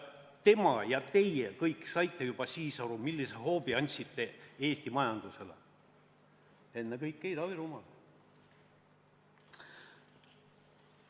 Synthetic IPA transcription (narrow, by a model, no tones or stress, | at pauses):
t̪e̞mɑjɑt̪e̞jekɤjkːˑsɑjt̪ːe̞jub̥ɑsiːsɑɾumilːiseho̞ːbiɑnʲsit̪ˑːe̞e̞ːsʲt̪imɑjɑnd̪̥use̞lḛ | e̞nːekɤjkːejd̪ɑviɾumɑl